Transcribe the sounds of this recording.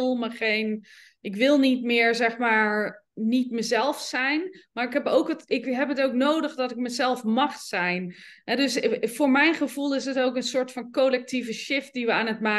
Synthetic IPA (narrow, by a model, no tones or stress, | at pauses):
lˠməχejn | ʔɪkʋɪlˠnitmɪːɹzɛχmaːɹ | nitməzɛlˠfsɛjnmaːɹɪkɦɛpowkətɪkɦɛpɦətoknoːdəχdɔtɪk̚məzɛlˠfmɑχsɛjnɦɛdɵsv̥ʊːɹmɛjnχəv̥ulˠɪsətowkənsʊːɹtfɑnkolɛk̚tivəʃɪft̚diʋəaːnətmaː